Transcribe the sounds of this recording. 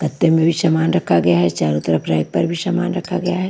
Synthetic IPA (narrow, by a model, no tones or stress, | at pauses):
kɐt̪ːemẽbʱiʃamaːnɾɐkʰːaɡɐjaɦɛt͡ʃaːɾut̪əɾəpʰɾaːjk̚pɐɾbʱiʃamaːnɾɐkʰaɡɐjaɦɛː